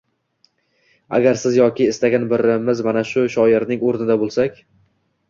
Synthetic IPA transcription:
a̰ɡʲaɾsɪzjɒkʲʰɪːst̪aɡʲanbɪɾɪmɪzmanaʃʊʃɒɪɾnɪŋoɾnɪd̪abolˠsakʲ

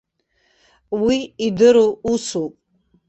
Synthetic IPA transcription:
wiːdɨɾuusupʼ

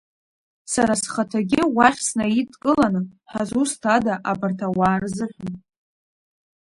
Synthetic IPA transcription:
saɾasχatʰaɡʲɪwaχʲsnaitʰʼkʼɨlanɨħazustʰadaʔabartʰawaːrzɨħʷᶣan

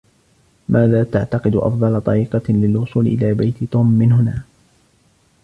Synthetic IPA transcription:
mʔaːðaːt̪aʕt̪ɑqɨd̪ʊʔɑ̰fd̪ˤɑlɑt̪ˤɑɾiːqɑlɪlwʊsˤuːlɪʔɪ̰laːbajt̪ɪt̪uːmːɪnɦʊnaː

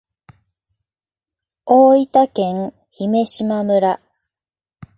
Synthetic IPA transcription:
oːit̪akẽ̞ŋ | çime̞ɕimamɯ̟ɾa

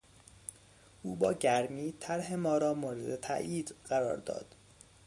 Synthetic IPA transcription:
ʔuːbɒːɟæɾmiːt̪ʰæɾhemɒːɾɒːmoːɾed̪et̪ʰæ̰ʔjiːd̪ɢæɾɒ̰ːɾd̪ɒ̰ːd̪̥

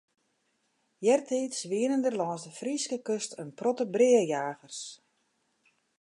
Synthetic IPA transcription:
jɛrtʰiːtsʋiənəndərlɔːnsdəfriskəkøstʰənprɔtəbrɪəjaːɣərs

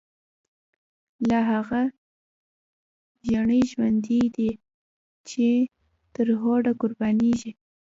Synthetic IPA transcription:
laɦaɣa | ʒaɳəʒwand̪id̪i | t͡ʃe | t̪əɾɦoɖakʊɾbɑneʒi

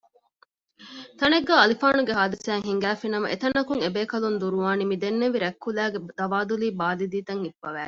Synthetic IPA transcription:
t̪ɐneɡːaːɐlifaːnuɡeɦaːd̪ɐsæːŋɦiŋɡæːfinɐmɐ̰ʔet̪ɐnːɐkuŋebeːkɐlund̪uɾuʋaːnimid̪enːeʋiɾækːulæːɡed̪̥ɐʋaːd̪uliːbaːlid̪iːt̪ɐŋhibːɐʋæː

